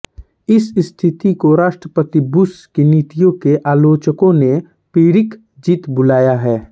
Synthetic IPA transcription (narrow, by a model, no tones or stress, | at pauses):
ɪsst̪ʰɪt̪ikoɾaːʃʈɾəpət̪ibʊskiniːt̪ijõkeʔaːloːt͡ʃəkõne | piːɾɪk | d͡ʒiːt̪bʊlaːjaɦɛː